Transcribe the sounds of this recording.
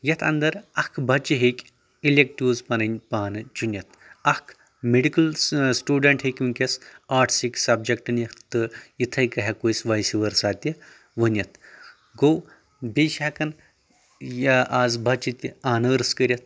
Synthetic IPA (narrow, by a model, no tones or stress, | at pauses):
jɐt̪ʰɐ̰nd̪ɐɾɐkʰbʱɐt͡ʃiɦekʲ | ilʲek̚ʈuːzpɐnɐnʲpaːnɨt͡ʃunʲjɐt̪ʰɐkʰ | meɖikɐlsʈuːɖɐɳʈɦekʲuŋkʲɐsaːɾʈʰsiksɐbd͡ʒekʈɨnjɐt̪ɨit̪ʰɐjkɐɦɐkojsʲʋɐjsiʋɐɾsaːt̪ʲi | ʋənʲjɐt̪̚ʰ | ɡow | bʲeʃɐkɐn | jɐʔaːzbʱɐt͡ʃit̪ʲiaːnəːɾɨskəɾʲɐt̪̚ʰ